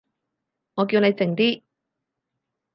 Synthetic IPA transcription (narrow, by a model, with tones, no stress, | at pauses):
ŋɔː˨˧k̬i˧wne˨˧jt͡sɪ˨˩ŋt̪iː˥